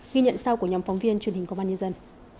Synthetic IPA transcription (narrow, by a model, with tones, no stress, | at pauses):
ɣi˧ɲə̰˧˨nsa˧wku˧˩əɲɔ˨˦mfɔ˨˦wŋ͡mvi˧ənt͡ɕwənɦï˨˩ŋ̟kɓaː˧ɲə˧nzə˧n